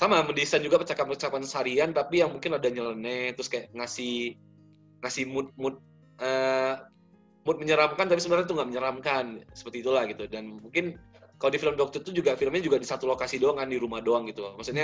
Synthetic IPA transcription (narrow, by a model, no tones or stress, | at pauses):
samamədisand͡ʒuɡapət͡ʃakap̚pərt͡ʃakpansaɾiant̪apijaŋmuŋkɪnladaɲələnɛt̪ɾʊskajaʔŋasɪh | ŋasɪhmʊt̪̚mʊt̪̚ | ʔəː | mʊt̪̚məɲəɾamkant̪apisəbənarɲat̪̬uŋɡaʔməɲəɾamkansə̥pərt̪iːt̪ulahɡit̪udanmuŋkɪn | kalodifiləmdɔk̚t̪ʊrt̪ud͡ʒuɡafiləmɲad͡ʒuɡadisat̪ulokasidoaŋkandiɾumahdoaŋɡit̪umaksuɲa